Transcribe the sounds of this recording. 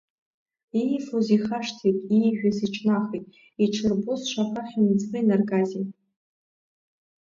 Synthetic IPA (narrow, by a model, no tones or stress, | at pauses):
ejfoziχaʂtʰitʼiʒᶣaziʈ͡ʂʰnaχitʼ | iʈ͡ʂʰɨrbusʃʷaχaχʲimd͡zbɨjnarɡazitʼ